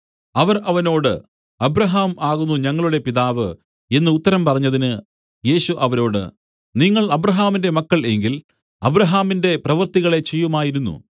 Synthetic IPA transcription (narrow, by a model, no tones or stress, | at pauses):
ɐʋɐrʔɐʋɐno̞ːɽɨ̰ | ɐbɾɐɦaːmaːɣunːuɲɐŋːɐɭuɽe̞piðaːʋɨ | e̞nːɨut̪ːɐɾɐmpɐrɐɲːɐðinɨ | je̞ːɕuʔɐʋɐɾo̞ːɽɨ̰ | niŋːɐɭɐbɾɐɦaːminde̞mɐkːɐɭe̞ŋɡil | ɐbɾɐɦaːminde̞prɐʋɐrt̪iɣɐɭe̞t͡ɕejːumaːjiɾunːṵ